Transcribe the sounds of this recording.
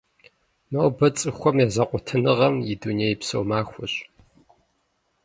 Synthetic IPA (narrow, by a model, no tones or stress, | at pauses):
mɐwbɐt͡sʼɨxʷɔmjazɐqʷʼʊtʰɨnɨʁɐmjɪduneːjpsowmaːxʷʊɕʼ